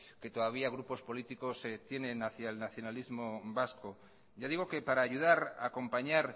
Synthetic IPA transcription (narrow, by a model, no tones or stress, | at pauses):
ke̞t̪o̞ðaβiaɣ̞ɾupo̞spo̞lit̪iko̞st̪je̞nẽ̞naθjaelnaθjo̞nalizmo̞basko̞ | ɟ͡ʝaðiɣ̞o̞kepaɾaːʝuðaɾa̰ko̞mpaɲaɾ